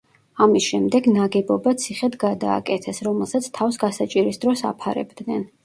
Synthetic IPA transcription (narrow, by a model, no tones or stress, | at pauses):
amisʃɛmd̪ɛɡnaɡɛbɔbat̪sʰiχɛd̪ʰɡad̪a̰ːkʼɛt̪ʰɛsɾɔmɛlˠsat̪sʰt̪ʰavsɡasat͡ʃʼiɾisd̪ɾɔsa̰pʰaɾɛ̰bd̪nɛn